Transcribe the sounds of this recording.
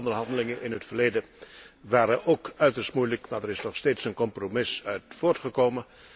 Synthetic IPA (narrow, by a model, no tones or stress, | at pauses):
ndəɹɦɑndəlɪŋənʔɪnɦətfəɹleːdəʋaːɾəʔoːkœɥtəɹstmujləkmaːɹdəɹɪsnɔχsteːtsənkɔmpromɪsœɥtfoːɹtχəkowmə